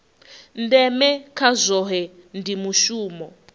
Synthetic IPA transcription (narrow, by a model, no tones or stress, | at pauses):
ndɛmɛkʰazʷɔɦɛ | ndimuʃuːmɔ